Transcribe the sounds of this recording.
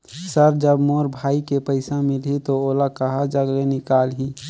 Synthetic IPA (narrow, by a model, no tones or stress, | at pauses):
səɾd͡ʒəbmoːɾbʱaːikepəɪsãmɪlɦit̪ooːlakəɦad͡ʒəɡlenɪkaːlɦĩ